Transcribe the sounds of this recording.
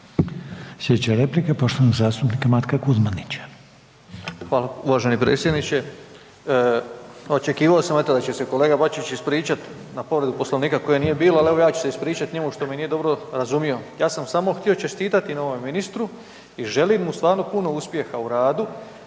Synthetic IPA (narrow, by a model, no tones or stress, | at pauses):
sjed̪et͡ɕaɾeplikapo̞ʃt̪oanoɡzaːst̪upnikamat̪kakuzmanit͡ɕḁ | xʋaːlauʋaʒe̞nipɾḛːt̪sʲje̞d̪nit͡ɕe̞ | o̞t͡ʃe̞kiːʋaosamet̪od̪at͡ɕe̞se̞ko̞le̞ːɡabat͡ʃit͡ɕispɾiːt͡ʃat̪ | napo̞ʋɾe̞d̪upo̞sloniːkako̞jenije̞biːloale̞ʋo̞jaːt͡ʃu̥seispɾiːt͡ʃat̪ɲe̞muʃt̪o̞minijed̪o̞bɾo̞ɾazumijo̞jaːsamsamo̞xt̪io̞t͡ʃe̞st̪iːt̪at̪inaoʋomminist̪ɾu | iʒe̞limmust̪ʋaːɾno̞puno̞uspje̞xauɾaːd̪u